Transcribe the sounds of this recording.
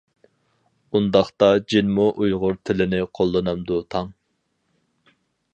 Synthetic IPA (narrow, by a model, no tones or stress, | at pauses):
und̪ɑχt̪ɑd͡ʒinmuʔujʁʊɾt̪ʰɪlɪnɪqʰolˠːɨnɨmd̪ut̪ʰɑŋ